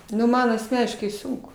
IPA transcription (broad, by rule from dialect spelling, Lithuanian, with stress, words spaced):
nʊ ˈmɐn ɐsʲˈmʲæːnʲɪʃkɐɪ ˈsʊŋkʊ